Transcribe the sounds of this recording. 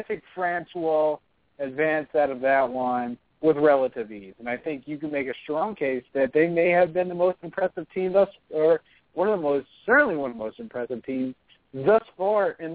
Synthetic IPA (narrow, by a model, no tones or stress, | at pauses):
θɪ̃ŋkfɹæ̃nswɪlˠ | ɨdvæ̃nsaʊɾʌvðɨʔ̚wʌ̃n | wɪðɹɛlˠəɾɨvizɨ̃naɪθɪ̃ŋkjɨkɨ̃d̚meɪkɨstɹ̥ɔ̃ŋkʰeɪsðɨt̪̚ðeɪmeɪɨvbɨ̃nðəmoʊstɨ̃m̩pʰɹ̥ɛsɨv̥tʰĩmðʌsə˞ | wʌ̃nʌvðəmoʊstsɜ˞ʔn̩liwʌ̃nðəmoʊstm̩pʰɹ̥ɛsɨv̥tʰĩmz | ðʌsfɑɹɪ̃n